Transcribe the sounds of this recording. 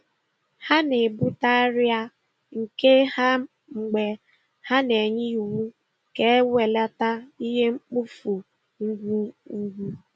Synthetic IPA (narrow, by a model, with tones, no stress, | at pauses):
ha˦ne˨bu˦ta˦ɾja˦ | ŋ̩˨ke˦ha˦ | ŋ͡m̩˨ɡ͡be˨ | ha˦ne˨ɲɪ˦u˨wu˦ | ke˦we˨la˦ta˦i˦ɦe˦ŋ͡m̩˦k͡pu˦fu˨ | ŋ̩˦ɡʷu˦u˦ɡʷu˦